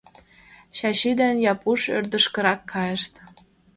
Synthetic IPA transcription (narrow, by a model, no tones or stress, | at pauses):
ɕɑɕid̪ænjɑpuʃø̰rd̪ə̆ʃkɤ̆ɾɑkːɑjə̆ʃt̪